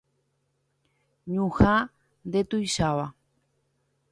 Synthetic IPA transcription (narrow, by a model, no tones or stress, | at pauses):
ɲũha | nd̪e̞t̪ujʃaʋa